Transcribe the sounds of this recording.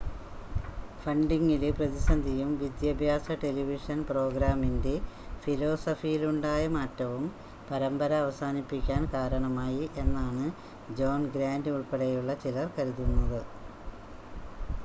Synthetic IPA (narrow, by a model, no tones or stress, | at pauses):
fɐɳɖiŋːilprɐðisɐnd̪ʱijumʋid̪jɐbʱjaːsɐʈe̞liʋiʂɐnpro̞ːɡɾaːminde̞filo̞ːsɐfijiluɳɖaːjɐmaːtːɐʋum | pɐɾɐmbɐɾɐːʋɐsaːnipːikʲːaːnkaːɾɐɳɐmaːjiʔe̞nːaːɳɨ | d͡ʑo̞ːnɡɾaːndɨuɭpeɽejuɭːɐt͡ɕilɐrkɐɾuðunːɐðɨ